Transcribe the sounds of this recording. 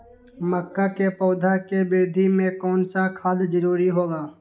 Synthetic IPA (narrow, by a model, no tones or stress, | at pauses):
məkːakepɔːd̪ʱakebɪɾd̪ʱimẽkɔːnsakʰaːd̪d͡ʒəɾuːɾiɦoːɡaː